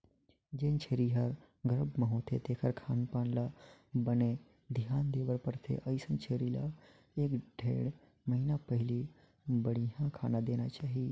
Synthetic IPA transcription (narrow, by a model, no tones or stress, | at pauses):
d͡ʒeːnt͡ʃʰeːɾiɦəɾ | ɡəɾəbməɦõt̪ʰet̪ʰeːkʰəɾkʰaːnpaːnlabəne | d̪ʱɪjaːnd̪eːʋəɾpəɾt̪ʰḛʔəisənt͡ʃʰeːɾila̰ | eːkɖʱḛːɽ | məɦiːnapəɦɪli | bəɽiɦãkʰaːnad̪eːnat͡ʃaːɦi